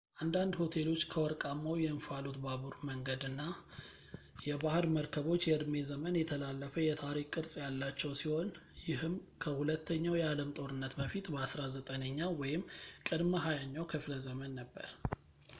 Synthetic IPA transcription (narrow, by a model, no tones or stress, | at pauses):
ʔand̪and̪ho̞t̪ʰe̞lo̞t͡ʃːkʰəwɔɾkʼamːawjɛɨnfalot̪baβuɾməŋɡəd̪ɨnːa | jɛbahɨɾməɾkʰəβo̞t͡ʃːjɛɨd̪me̞zəmənjɛt̪ʰəlalːəfəjɛt̪ʰaɾikʼːɨɾsʼjalːat͡ʃːɛwsiho̞njɪɦɨmkʰəhulət̪ːəɲːawjɛaləmt̪ʼo̞ɾɨnːət̪bəfit̪bəasɾazət̪ʼənəɲːawɔjɪmkʼɨd̪məɦajaɲːawkʰɨfləzəmənːəbːə̰ɾ